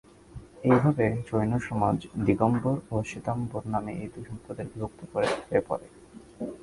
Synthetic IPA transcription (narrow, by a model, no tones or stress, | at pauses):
ejbʱabet͡ɕojnoʃɔmad͡ʑd̪iɡomboɾoʃit̪amboɾnameʔet̪uʃɔmpod̪eɾbibʱok̚t̪okoɾet̪ʰbepɔ̰ɾe